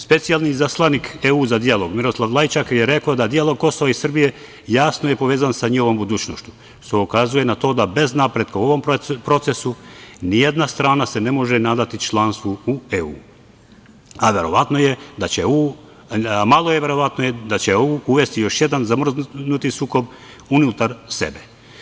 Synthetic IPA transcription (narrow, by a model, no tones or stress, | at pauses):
spe̞t̪sijalˠnizaslˠanikeuːzad̪ijalˠo̞ɡmiɾoslˠaʋlˠajt͡ʃakjeɾe̞kaod̪ad̪ijalˠo̞ɡ̚ko̞so̞ʋaisr̩bije̞ | jaːsno̞je̞po̞ʋeːzansaɲixo̞ʋo̞mbud̪uːt͡ʃnoʃtu̥ | ʃt̪oukazuje̞nat̪o̞ːd̪abe̞znapɾe̞d̪kauo̞ʋo̞mppɾo̞t̪se̞sunijed̪nast̪ɾaːnase̞ne̞mo̞ʒenaːd̪at̪it͡ʃlˠaːnst̪ʋuueṵ | aʋe̞ɾo̞ʋat̪no̞jed̪at͡ɕeuː | malˠo̞jeʋe̞ɾo̞ʋat̪nojed̪at͡ɕeouuʋe̞st̪ijoʃje̞d̪anzamr̩znut̪isuːko̞b | unut̪aɾse̞̰be